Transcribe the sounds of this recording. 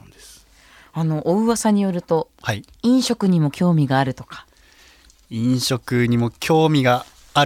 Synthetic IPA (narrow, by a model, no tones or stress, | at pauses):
s | ano̞ʔoɯ̟βasaɲ̟ijo̞ɾɯ̟t̪o̞ | hai | ĩɰ̃ɕo̞kɯ̟ɲ̟imo̞kʲo̞ːmʲiɡaːɾɯ̟t̪o̞̥kḁ | ĩɰ̃ɕo̞kɯ̟ɲ̟imo̞kʲo̞ːmʲiɡaː